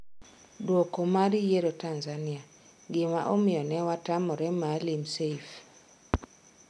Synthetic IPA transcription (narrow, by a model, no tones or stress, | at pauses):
dwokomaɾijeɾotanzania | ɡɪmaʔomɪjɔnɛwatamɔɾɛmalimseif